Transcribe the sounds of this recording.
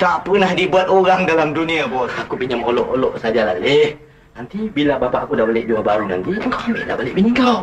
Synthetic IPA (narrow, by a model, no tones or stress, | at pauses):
k̪aʔpənahdibuat̪oɾaŋdalamdunĩaboʔakupiɲamolɔʔolɔʔsad͡ʒalaleh | nant̪ibilabapaʔkudaʔbalɪʔ̚d͡ʒuabaɾuna̰nt̪ipuŋkaamḭʔdaʔbalɪʔbiniŋka